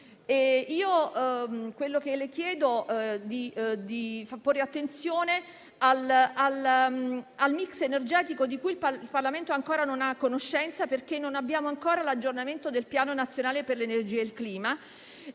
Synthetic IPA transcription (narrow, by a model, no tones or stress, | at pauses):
eiːo | kwelːok̟elek̟jɛːd̪od̪id̪ifaporːeat̪ːent̪sjoːne | alal | almiksenerd͡ʒɛːt̪ikod̪ikuilpailparlament̪oaŋkoːɾanonakːonoʃːɛnt̪saperk̟enːonabːjaːmoaŋkoːɾalad͡ʒːornament̪od̪elpjaːnonat̪sːjonaːleperlenerd͡ʒiːalkliːma